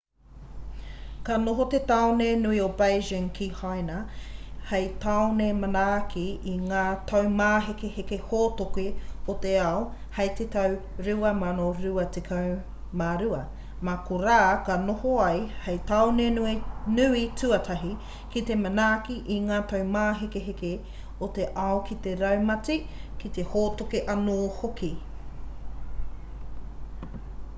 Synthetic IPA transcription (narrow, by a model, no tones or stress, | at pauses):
kɐnoɦot̪et̪awnenuiobajʒɪŋkʰihajnɐhejtawnejmɐnakiiŋaːtʰɐwmaːɦekehekehoːtokeot̪eao | hɐjt̪et̪ɐw | ɾʉɐmanoɾʉɐtekʰɐw | maːɾʉɐ | makoɾaːkɐnohoɐjhɐjt̪aonenuenʉitʉɐt̪ʰɐɦi | kit̪emɐnaːkiʔiŋaːtɐwmaːɦekeɦeke | ot̪e̞ʔɐokit̪e̞ɾɐwmɐtikit̪ehoːtokeʔɐnoːhoki